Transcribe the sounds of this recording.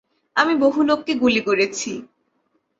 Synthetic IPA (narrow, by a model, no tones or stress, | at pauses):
amiboɦulok̚keɡulikoɾet͡ɕʰi